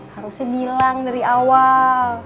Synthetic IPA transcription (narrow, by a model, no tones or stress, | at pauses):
haɾusjabilaŋdaɾiawal